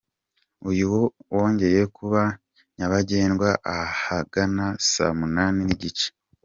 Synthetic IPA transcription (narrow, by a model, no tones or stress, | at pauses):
ujuwowo̞ːɲɟe̞ɾejekuβa | ɲaβaɟe̞ːnɡwaʔahaɡ̥anasa̰munaːniniɟit͡ʃe̥